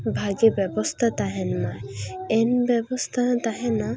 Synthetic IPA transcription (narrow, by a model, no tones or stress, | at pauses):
bʱaɡebɛbɔst̪ʰat̪aɦɛnmaɛnbɛbɔst̪ʰat̪aɦɛ̃na